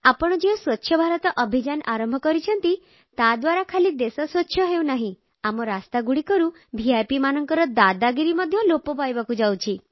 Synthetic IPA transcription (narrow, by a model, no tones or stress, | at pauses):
apɔɽ̃ɔd͡ʒewswɔtːʃʰjɔbʱaɾɔt̪ɔʔɔbʱid͡ʒanʔaɾɔmbʱɔkɔɾit͡ʃʰɔnt̪i | t̪ad̪waɾakʰalid̪esɔswɔtːʃʰjɔɦewnaɦĩ | amɔɾast̪aɡuɽikɔɾu | bʱiajpimanɔŋkɔɾɔd̪ad̪aɡiɾimɔd̪ʱjɔlopɔpajbakud͡ʒawt͡ʃʰi